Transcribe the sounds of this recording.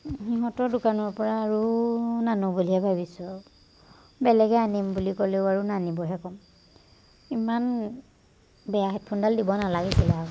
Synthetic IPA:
xiɦɔtɔɹdʊkanɔɹpɔɹaːɹunanubuliɛbʱabisʊ | bɛlɛɡɛanimbulikɔlɛʊaɹunanibɔɦɛkɔm | iman | bɛjaɦɛt̚pʰundaldibɔnalaɡɛsila

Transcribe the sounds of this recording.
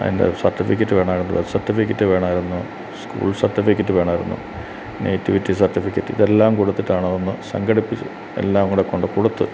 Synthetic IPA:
ɐ̰ðḭnde̞̰sɐrtːifikʲːɐtːɨʋe̞ːɳaːjiɾunːɐðɐsɐrtːifikʲːɐtːɨʋe̞ːɳaːjiɾunːu | skṵːɭsɐrtːifikʲːɐtːɨʋe̞ːɳaːjiɾunːṵ | nejtːiʋitːisɐrtːifikʲːɐtːɨiðe̞lːaːmkuɽut̪ːitːaːɳɐonːɨsɐ̰ŋɡɐɽipːit͡ɕːu | e̞̰lːaːʋɐŋːuɽekːoɳɖɨkuɽut̪ːɨ

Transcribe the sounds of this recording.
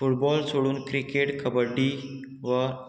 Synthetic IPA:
fuʈbɔlsoɽuːnkɾikeʈkʰəbəɖi | ʋə

